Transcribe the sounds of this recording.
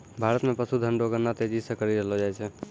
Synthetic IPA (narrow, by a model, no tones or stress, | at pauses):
bʱaɾət̪mẽpəsud̪ʱənɖoɡənːat̪ed͡ʒisẽkəɾiɾelɔd͡ʒajt͡ʃʰɛ